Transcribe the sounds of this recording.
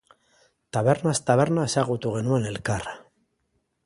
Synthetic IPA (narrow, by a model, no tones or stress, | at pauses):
t̪aβe̞ɾnast̪aβeɾnasaɣut̪uɣe̞nuene̞lkara